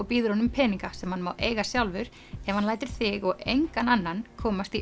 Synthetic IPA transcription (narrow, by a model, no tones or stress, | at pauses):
ɔɣpiːðʏɾhɔnʏmpʰɛːniŋkasɛmhanːmawʔḛːjɣasjawlvʏɾ̥ | ɛvhanlaːjt̪ʏɾ̥θɪɣɔɣejŋkananːankʰɔːmast̪i